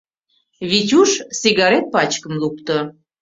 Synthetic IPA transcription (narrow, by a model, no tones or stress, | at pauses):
βitʲuʃsiɣɑɾet̪̚pɑt͡ɕkə̆mlup̚t̪ə̆